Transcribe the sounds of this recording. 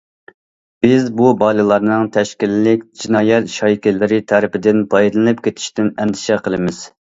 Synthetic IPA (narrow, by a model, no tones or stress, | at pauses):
b̥ɪzbubɑlˠɨlˠɑɾnɨŋt̪ʰɛʃkʲilːɪkʲd͡ʒinɑːjɛt̪ʃɑjkʲɪlɪɾɪt̪ʰæɾɪpɪd̪ɪnpʰɑjd̪ɨlˠɨnɨp̚kʲet̪ʰɪ̥ʃt̪ɪnɛnt̪ʰɪ̥ʃɛqʰəlˠɨmɪz̥